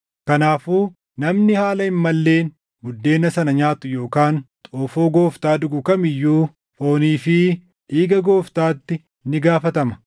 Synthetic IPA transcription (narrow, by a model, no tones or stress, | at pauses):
kɐnaːfuː | nɐmnɪhaːlɐɪmːɐlːe̞ːn | ɡʊd̪ːe̞ːnɐsɐnɐɲaːt̪ʊjo̞ːkaːnt̪ʼoːfoːɡo̞ːft̪aːd̪ʊɡʊkɐmɪjːuː | fo̞ːniːfɪ | ʔiːɡɐɡo̞ːft̪aːt̪ːɪ | nɪɡaːfɐt̪ɐmɐ